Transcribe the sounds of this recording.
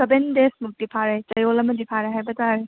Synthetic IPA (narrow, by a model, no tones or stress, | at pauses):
sɐbendesmuk̚dipʰaɾet͡ʃɐjolɐmɐdipʰaɾeɦajbɐtaɾe